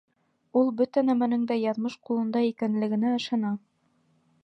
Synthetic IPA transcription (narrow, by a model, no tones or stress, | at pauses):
ulˠbɵt̪ænæmænɘŋd̪æjɑðmɤʃqulˠɤ̆nd̪ɑikænlɘ̆ɡɘ̆næɤ̆ʃɑnɑ